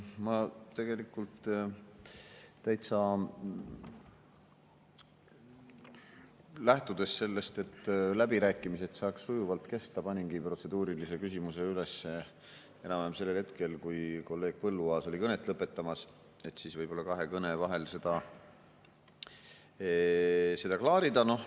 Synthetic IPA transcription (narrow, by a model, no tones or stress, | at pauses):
mɑt̪e̞ɡ̥e̞likːˑult̪ | t̪æjt̪sɑ | læht̪ud̪̥e̞sse̞lːe̞st̪e̞t̪ːlæbiɾæːkːˑimise̞t̪sɑːksːujuvɑlt̪ke̞st̪ɑpɑnʲinɡ̥ipro̞t̪se̞d̪uːɾilise̞kysimuse̞yle̞sːe | e̞nɑmemse̞lːelhe̞t̪ke̞lkujko̞lːe̞ːɡ̥̚pɤlːuɑːso̞lʲikɤne̞t̪ːˑlɤpːˑe̞t̪ːɑmɑs | e̞t̪ːsisvɤjb̥o̞lːɑkɑɦe̞kɤne̞vɑɦe̞lse̞d̪̥ɑ | se̞d̪̥ɑklɑːɾid̪ɑno̞h